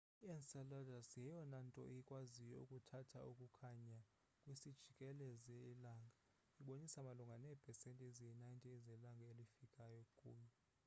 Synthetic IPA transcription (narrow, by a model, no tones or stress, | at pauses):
ɛnsaladasjɛjɔnantʼɔ̰ʔijikʼwazijɔṵkʼutʰatʰaʔukʼukʰaɲa | kʼwisid̥ʒ̥ʱikʼɛlɛzɛlaːŋɡʱa | iɓonisamaluŋɡʱanɛpʰɛsɛntʼɛzijɛnajntʼizɛlaŋɡʱaelifikʼajɔkʼṵːɲɛ